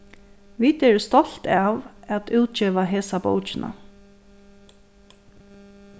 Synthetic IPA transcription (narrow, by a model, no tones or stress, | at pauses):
ʋiːt̪ɛɹst̪ɔɬt̪ɑʋæt̪ʉːt̪̚t͡ʃeːʋaɦeːsabo̰wt͡ʃɪnʔa̰